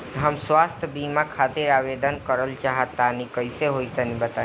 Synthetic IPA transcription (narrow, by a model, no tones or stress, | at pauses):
ɦəmswast̪ʰbimakʰat̪iɾaʋed̪ənkəɾəlt͡ʃaɦət̪ːanikəɪseɦojt̪ənibət̪a